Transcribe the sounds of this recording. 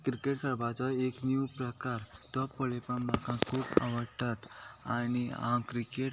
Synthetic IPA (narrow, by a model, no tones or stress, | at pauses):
kɾikeʈkəɾbat͡sɔeknjupɾəkaɾt̪ɔpəɭepənmakãkʰuːpa̰ʋəɽʈat̪aniãkɾikeʈ